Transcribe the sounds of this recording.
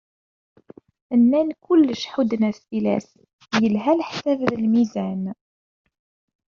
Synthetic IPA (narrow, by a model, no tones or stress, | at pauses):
ənːænkʊlːəʃħud̪ənæilæ̰s | jəlɦælħsævðəlmizæn